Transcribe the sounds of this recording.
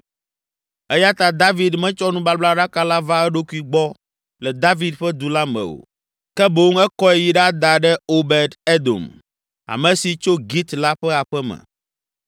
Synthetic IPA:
ɛ˦ja˦t̪a˨d̪a˦vi˨d̪mɛ̃˦t͡ʃɔ˦nũ˦ba˦bla˦ɖa˦ka˦la˦va˦ɛ˦ɖo˦ku˦i˨ɡ͡bɔ˦ | lɛ˨d̪a˦vi˦d̪ɸɛ˦d̪u˨la˦mɛ̰̃˨o̰˨ | kɛ˦bo˦ŋɛ˦kɔ˦ɛ˦ji˦ɖa˦d̪a˨ɖɛ˦o˦bɛ˦d̪e˦d̪o̰˨m | a̰˨mɛ̃˨si˨t͡ʃo˦ɡi˦t̪la˦ɸɛ˦a˨ɸɛ˦mɛ̰˨

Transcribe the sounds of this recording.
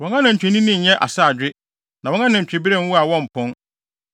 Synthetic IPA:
wɔ̃˨ŋã˦nɪ̃˨ɲ̩˨t͡ɕᶣʰɪ˨nĩ˦nĩ˦ɲ̩˨ɲɛ̃˦ʔa̰˨sa˦˨d͡ʑᶣɪ˦ | nã˨wɔ̃˦ŋã˦nɪ̃˨ɲ̩˨t͡ɕᶣɪ˨bi˦ɾẽ˦˨˦wu˦a˨wɔ̃˦m̩˨pʰʊ̃˦n

